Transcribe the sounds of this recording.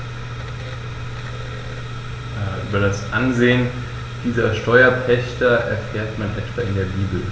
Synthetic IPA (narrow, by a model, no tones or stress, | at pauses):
jaːʔyːbɐdasʔanzeːən | d̥iːzɐʃtɔʏɐpʰɛçtɐʔɛ̰ɐfeːɐtmanʔɛtv̥aːɪndeːɐbiːbl̩